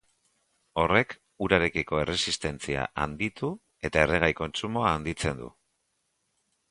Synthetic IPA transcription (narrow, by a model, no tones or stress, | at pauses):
o̞re̞k | uɾaɾe̞kiko̞e̞re̞sist̪e̞nt͡sia̰ʔa̰nd̪it̪u | e̞t̪ae̞reɣ̞ajko̞nt͡sumo̞aːnd̪it͡se̞nd̪ṵ